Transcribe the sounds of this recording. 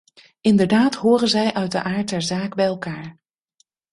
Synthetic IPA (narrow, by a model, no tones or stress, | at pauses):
ɪndəɹdaːtɦoːrənzɛjʔœɥt̚də̰ʔaːɹt̚ɛɹzaːkbɛjɛlˠkaːɹ